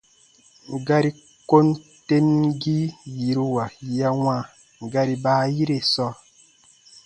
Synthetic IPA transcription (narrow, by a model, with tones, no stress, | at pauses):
ŋ˨ɡa˦ɾi˦ | ko˦n | te˦m˦ɡi˦ji˨ɾi˦wa˨ja˦wã˦˨ | ŋ˨ɡa˦ɾi˦baː˦ji˦ɾe˨sɔ˦